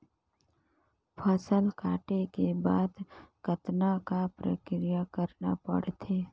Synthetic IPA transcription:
pʰəsəlkaːʈekebaːd̪kət̪nakapɾə̰kɾijakəɾna̰pə̰ɽt̪ʰeː

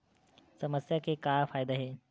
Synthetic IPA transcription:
səməsjakekafajd̪aɦe

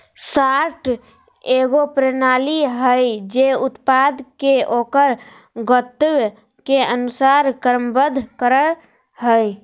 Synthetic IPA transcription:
saɾʈʰ | eɡopɾenaliɦəjd͡ʒeut̪pad̪keʔokəɾ | ɡət̪wj | keənusaɾkəɾəmbəd̪ʱkəɾə | ɦəj

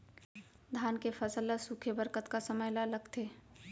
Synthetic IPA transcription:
d̪ʱaːnkefʰəsəlːəsukʰəbəɾkət̪kasəməjlaləɡt̪ʰeː

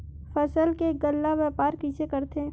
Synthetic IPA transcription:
fəsəlkeɡəlːaʋɛːpaːɾkit͡ʃekəɾt̪ʰe

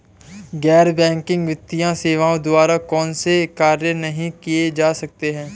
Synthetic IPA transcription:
ɡɛːɾbɛ̃ːŋkɪ̃ŋɡʋɪt̪ːijãseːʋãːõd̪ʊaːɾakɔːnsekaːɾjənɐɦĩkied͡ʒaːsɐk̚t̪eɦɛ̃ː

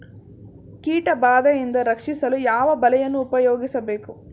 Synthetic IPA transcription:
kiːʈɐbaːd̪ɐjind̪ɐɾɐkʂisɐlujaːʋɐbɐlɛjɐnːuːpɐjoːɡisɐbeːku

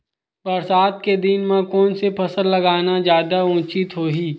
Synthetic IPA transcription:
bɐɾsaːd̪̚ked̪inmẽkɔːnsepʰɐsəɾlɐɡaːnad͡ʒjaːd̪aũːt͡ʃɪt̪ɦoːɦiː

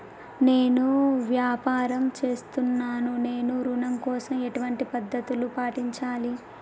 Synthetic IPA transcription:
ne̞ːnuʋjaːpaːɾɐmt͡ʃe̞ːst̪unːaːnune̞ːnuɾunɐmkɔːsɐmeʈuʋɐɳʈipɐd̪ʱːɐt̪ulupaːʈiɲt͡ʃaːli

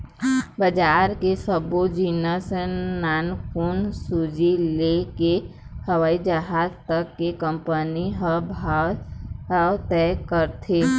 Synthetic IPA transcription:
bəd͡ʒaːɾkesəbod͡ʒinəsənaːnkunsud͡ʒileke | həʋaːid͡ʒəɦaːzt̪əkːekə̃mpəniɦbʱa | ɦawt̪ɛkəɾt̪ʰeː

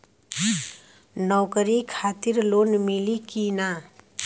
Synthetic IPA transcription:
nɔwkəɾikʰat̪iɾlonmilikina

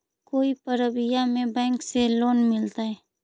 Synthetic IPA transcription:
koːipəɾəbɪjamẽbɛ̃ːŋkseloːnmɪlt̪aɦɛː

